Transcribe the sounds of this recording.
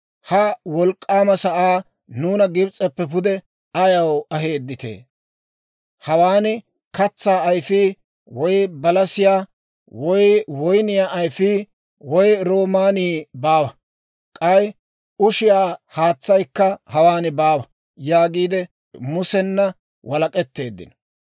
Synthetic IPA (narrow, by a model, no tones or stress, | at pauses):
hɐwɔlkʼːaːmɐsɐʔaː | nuːnɐɡɪbt͡sʼɛpːɛpʊd̪ɛ | ɐjɐwɐɦeːd̪ːɪt̪ḛː | hɐwaːnɪ | kɐt͡sːaːjfiː | wɔjbɐlɐsɪjaː | wɔjwɔjnɪjaːʔɐjfiː | wɔjɾo̞ːmaːniːbaːwɐ | kʼɐj | ʊʃɪjaːhaːt͡sːɐjkːɐhɐwaːnɪbaːwɐ | jaːɡiːd̪ɛ | mʊsɛnːɐ | wʔɐlɐkʼɛt̪ːe̞ːd̪ːɪ̰nɔ